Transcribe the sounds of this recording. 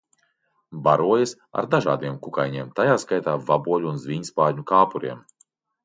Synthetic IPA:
baɾuɔjas | a̰ɾd̪aʒa̰ːd̪iɛmkukajɲiɛmt̪ajaːskajt̪aːvabuɔlʲuunzvʲiɲspaːɲukaːpuɾḭɛm

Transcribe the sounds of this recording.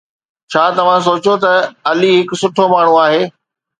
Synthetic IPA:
t͡ɕʰaːt̪ɐʋ̤ãs̬oːt͡ɕot̪ɐɐliɦɪkʊ̆sʊʈʰomaːɳ̤ũaːɦeː

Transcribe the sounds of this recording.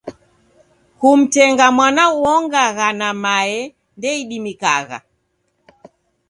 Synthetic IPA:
kum̩tɛŋɡamwanauɔŋɡaɣanamaɛ | ndɛiɗimikaɣa̰

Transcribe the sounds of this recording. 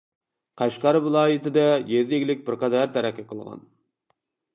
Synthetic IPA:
qʰɑʃqɑɾvɨlˠɑːjɨt̪ɨd̪ɛjeɾd̪ɪɡʲɪlɪk̚ʲbɪɾqɑd̪ɑɾt̪ʰæɾɛkʲːɛqʰəlˠʁɑ̰n

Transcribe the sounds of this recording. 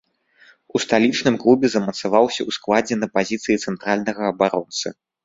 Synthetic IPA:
ust̪alʲit͡ʂnɨmklˠubʲɛzɐmɐt̪savawsʲɐwsklˠad͡zʲɛnɐpazʲit̪sɨjit̪sɛnt̪ɾalʲnɐɣɐːbaɾɔnt̪sɨ

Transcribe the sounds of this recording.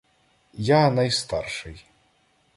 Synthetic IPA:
janɐjst̪arʂɨj

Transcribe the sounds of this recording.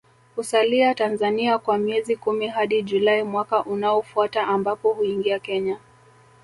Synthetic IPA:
husaliatanzaniakwamiɛzikumiɦaɗiʄulaimwakaʔunaɔfuataʔambapɔhuiŋɡiakɛɲa

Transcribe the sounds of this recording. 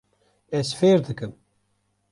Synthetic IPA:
ɛsfeːɾd̪ɨkɨm

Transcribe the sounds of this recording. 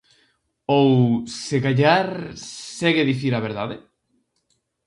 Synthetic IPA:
owseɣaʎaɾsɛɣeðiθiɾaβ̞eɾðaðe

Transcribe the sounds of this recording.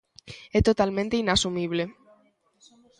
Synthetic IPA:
et̪ot̪almẽnt̪einasumiβ̞le

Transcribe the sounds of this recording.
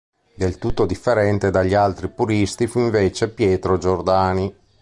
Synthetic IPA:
d̪elt̪ut̪ːod̪ifːeɾɛnt̪ed̪aʎːialt̪ɾipuɾist̪ifuiɱveːt͡ʃepjɛːt̪ɾod͡ʒord̪aːni

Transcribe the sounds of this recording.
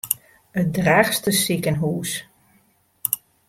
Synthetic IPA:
ət̚draːχstəsɪkənɦuːs

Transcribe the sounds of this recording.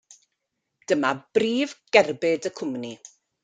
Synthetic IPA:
d̥əmab̥riːvɡ̥ɛrbɪdəkʰʊmni

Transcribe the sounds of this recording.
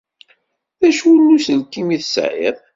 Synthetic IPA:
ðæʃwulːusəlkːimiθsʕḭðˤ

